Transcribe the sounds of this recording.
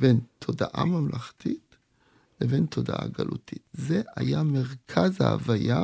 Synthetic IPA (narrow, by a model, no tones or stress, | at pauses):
bentʰo̞daʔamamlaχtit | leve̞ntʰo̞daʔa̰ɡalʔṵtʰitze̞a̰jame̞ʁkʰaza̰a̰vaja